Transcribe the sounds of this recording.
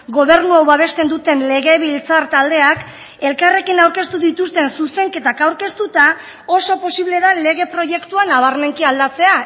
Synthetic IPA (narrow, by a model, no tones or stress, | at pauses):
ɡo̞β̞e̞ɾnuawβaβe̞st̪e̞nd̪ut̪e̞nle̞ɣ̞e̞βilt͡saɾt̪ald̪e̞ak | e̞lkare̞kinawɾke̞st̪uðit̪ust̪e̞nsuse̞ŋke̞t̪akawɾke̞st̪ut̪a | o̞so̞po̞siβle̞ðale̞ɣ̞e̞pɾo̞ʝe̞kt̪uanaβ̞aɾme̞ŋkiald̪at͡se̞a